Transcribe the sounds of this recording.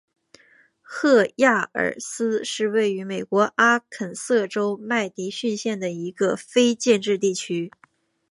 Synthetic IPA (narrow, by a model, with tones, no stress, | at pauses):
xɤ˥˧ja˥˩ə̰˞˨˩sɹ̩˥ʂɻ̩˥˧we˥˩ɪy˧˥me˨˩ɪkwɔ˧˥ʔa˥kʰə˨˩nsɤ˥˩ʈ͡ʂo˥ʊma˥˩ɪt̪i˧˥ɕy˥˧nɕjɛ˥˩nd̪ə˩i˧˥ɡə˧fe˥ɪt͡ɕjɛ˥˧nʈ͡ʂɻ̩˥˧t̪̬i˥˩t͡ɕʰy˥